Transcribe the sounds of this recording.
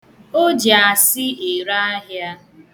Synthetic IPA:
o˦d͡ʒa˨sɪ˦e˨ɾa˦a˦ɦja˦

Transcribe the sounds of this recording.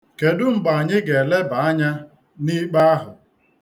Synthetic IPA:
ke˨dʊ˦m̩˨ba˨ɲɪ˦ɡe˨le˦ba˨a˦ɲa˦ | ni˦k͡pa˦a˦ɦʊ˨

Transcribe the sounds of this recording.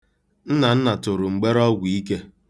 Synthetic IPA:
n̩˦na˨n̩˦na˨tʊ˨ɾʊ˨ŋ͡m̩˨ɡ͡be˦ɾɔ˦ɡʷi˦ke˦

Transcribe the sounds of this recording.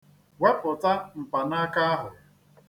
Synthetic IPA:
wa˦pʊ˨ta˦m̩˨pa˨na˦ka˦a˦ɦʊ˨

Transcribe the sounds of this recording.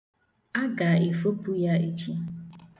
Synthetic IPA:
a˦ɡa˨e˨fo˦pu˦ja˦e˦t͡ʃi˦

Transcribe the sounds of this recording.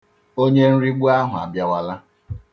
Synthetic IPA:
o˦ɲe˦n̩˦ɾi˦ɡ͡bʷu˦a˦ɦʊ˨a̰˨bja˦wa˦la˦

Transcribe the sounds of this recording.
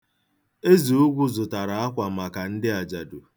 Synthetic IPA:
e˦zi˨ʊ˦ɡʷʊ˦zʊ˨ta˨ɾa˨a˦kʷa˨ma˨ka˨n̩˦dɪ˦a˨d͡ʒa˨dʊ˨

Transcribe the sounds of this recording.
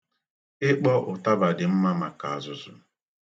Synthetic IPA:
ɪ˦k͡pɔ˦ʔʊ˨ta˦ba˨dɪ˨m̩˦ma˦ma˨ka˨a˨zʊ˨zʊ̰˨

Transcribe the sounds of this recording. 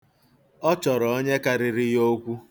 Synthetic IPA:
ɔ˦t͡ʃɔ˨ɾɔ˨o˦ɲe˦ka˦ɾɪ˦ɾɪ˦jo˦kʷu˦

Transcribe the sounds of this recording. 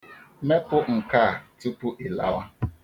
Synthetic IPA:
me˦pʊ˦ŋ̩˨ka˦˨tu˦pu˦ʔɪ˨la̰˦wa˦

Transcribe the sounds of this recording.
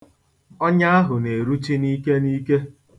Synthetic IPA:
ɔ˦ɲa˦a˦ɦʊ˨ne˨ɾu˦t͡ʃi˦ni˦ke˦ni˦ke˦

